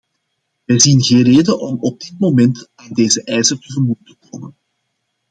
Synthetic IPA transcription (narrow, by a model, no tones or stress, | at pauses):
ʋɛjzinɣeːnreːdənʔɔmɔb̚dɪt̚momɛntaːndeːzəʔɛjzərtəvərmujtə̥koːmən